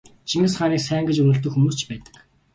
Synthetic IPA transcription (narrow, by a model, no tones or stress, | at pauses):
t͡ɕʰiŋɘ̆sχaːniːksæːŋɡĕt͡ɕɵnɵ̆ɬt̪ɵ̆kxumuːst͡ɕpæːt̪ə̥̆k